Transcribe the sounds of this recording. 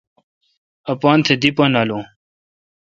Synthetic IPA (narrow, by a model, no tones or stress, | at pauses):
ɐpaːnt̪ʰed̪ipɐnaːlo